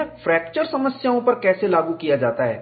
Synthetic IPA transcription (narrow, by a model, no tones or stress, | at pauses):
fʰɾɛːk̚t͡ʃəɾsəməsjaːõpɐɾkɛːselaːɡukijad͡ʒaːt̪aɦɛ̰ː